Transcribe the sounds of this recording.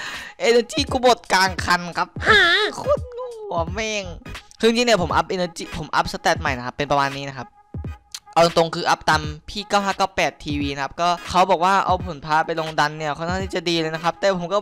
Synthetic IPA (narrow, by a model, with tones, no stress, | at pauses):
ʔeː˧nəː˧t͡ɕiː˥˩kuː˧˩bo˨˩t̪̚kaː˧ŋkʰa˧nkʰa˦˥p̚aː˩˧kʰu˧˥˩nŋuː˩˨˩mɛː˧˩ŋkʰɯː˧i˧ŋt͡ɕi˧ŋni˥˩pʰmʔa˦˥p̚ʔeː˧nəː˧t͡ɕiː˧˩pʰo˩˦mʔa˦˥p̚sa˧˦t̪ɛ˨˩t̪̚ma˨˩jna˦˥kʰa˦˥pːe˧npɾa˧maː˧nːiː˦˥na˦˥kʰa˦˥p̚ | ʔa˧lo˧ŋt̪o˧ŋkʰɯː˧ʔa˦˥p̚t̪a˧mpʰiː˥˩kaː˥˩whɦaː˥˩kːɔː˥˩pɛː˨˩t̪ʰiː˧wiː˧na˦kʰa˦˥p̚kɔː˥˩kʰa˦˥wbɔː˨˩k̚waː˥˩ʔa˧wpʰo˨˩˦npʰaː˧pa˧jlo˧ŋda˧nːi˥˩ɐkʰa˥˩nkʰaː˥˩t̪ʰiː˥˩t͡ɕa˨˩diː˧lɤː˧jna˦˥kʰa˦˥p̚t̪ɛː˨˩pʰo˩˦mkɔː˥˩